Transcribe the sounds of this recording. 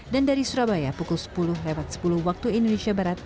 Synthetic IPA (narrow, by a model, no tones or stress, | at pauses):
dandaɾisuɾabajapukʊlsə̥pulʊhlewat̪̚sə̥pulʊhwak̚t̪uindoneʃiabaɾat̪̚